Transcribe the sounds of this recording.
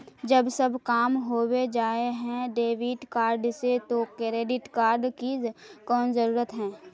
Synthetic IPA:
d͡ʒəbsəbkaːmɦoːwed͡ʒaːeɦɛ̃ɖeːʋɪʈkaːɾɖset̪okɾeːɖɪʈkaːɾɖkikɔːnzəɾuːɾət̪ɦɛ̃ː

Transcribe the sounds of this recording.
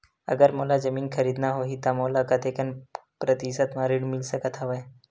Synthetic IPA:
ɐ̰ɡəɾmoːlazɐmiːnkʰɐɾiːd̪naɦoːɦit̪amoːlakɐt̪eːkənpɾɐt̪isət̪mãɾɪɽmɪlsəkət̪ʰaʋɐ

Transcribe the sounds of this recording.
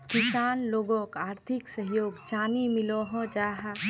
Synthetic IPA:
kɪsaːnloːɡõkaːɾt̪ʰɪksəɦjoːɡt͡ʃaːnimɪloɦɔ̃d͡ʒaːɦa

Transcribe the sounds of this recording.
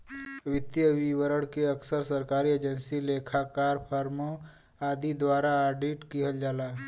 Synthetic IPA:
ʋɪt̪jəʋiwəɾəɽkeəksəɾsəɾkaːɾieːd͡ʒənsileːkʰakaːɾpʰəɾmo | aːd̪id̪waːɾaːɾɖiʈkiɦəld͡ʒaːlaːɦ

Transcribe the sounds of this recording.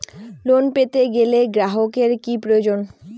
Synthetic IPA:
lonpet̪eɡeleɡɾaɦokeɾkipɾojod͡ʑon

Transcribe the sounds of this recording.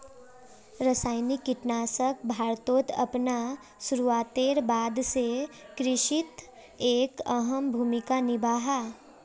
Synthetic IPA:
ɾəsaːɪnikːɪʈnaːsək̚bʱaːɾt̪oːt̪ɐ̰pna | sʊɾuaːt̪eːɾbaːd̪sekɾɪʃɪt̪ | eːkəɦəmbʱuːmɪkanɪbaːɦa

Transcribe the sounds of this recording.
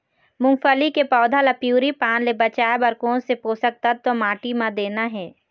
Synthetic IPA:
mʊ̃ŋfəlikepɔːd̪ʱalapjuːɾipaːnlebɐt͡ʃaːebəɾkosepoːsək̚t̪at̪ːomaːʈimãd̪eːnaɦɛː

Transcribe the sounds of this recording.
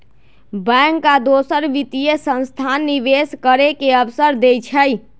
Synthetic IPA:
bɛŋkːad̪osəɾʋit̪ijesə̃nst̪ʰanːiʋeskəɾekeəbsəɾd̪ejt͡ʃʰəj

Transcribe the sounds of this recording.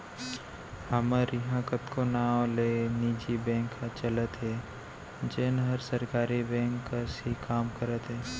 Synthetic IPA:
həməɾjɦãkət̪konaːwleːniːd͡ʒibɛ̃ːŋkːat͡ʃələt̪ɦɛː | d͡ʒeːnɦəɾsəɾkaːɾibɛ̃ːŋkːasikaːmkəɾət̪ɦɛː

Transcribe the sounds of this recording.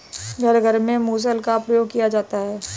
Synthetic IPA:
ɡʱəɾɡʱəɾmẽmuːs̬əlkapɾəjoːɡ̚kijad͡ʒaːt̪aɦɛː

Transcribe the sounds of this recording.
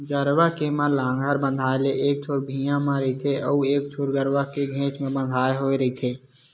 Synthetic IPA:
ɡəɾʋakeməɾlãːŋɡʱəɾbə̃nd̪ʱaːeleʔeːk̚t͡ʃʰoːɾbʱiːjãmãɾɐit̪ʰeʔɔueːk̚t͡ʃʰoːɾɡəɾʋakeɡʱẽːt͡ʃmẽbə̃nd̪ʱaːeɦoːeɾɐit̪ʰeː

